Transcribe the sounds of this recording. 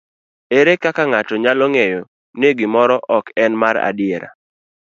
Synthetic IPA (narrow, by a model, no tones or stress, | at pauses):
eɾekakaŋatɔɲalɔŋejo | neɡɪmɔɾɔʔɔkɛnmaɾa̰dɪeɾa̰